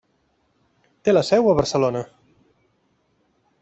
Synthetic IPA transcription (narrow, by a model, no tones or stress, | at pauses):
t̪eləsɛwəβəɾsəlonə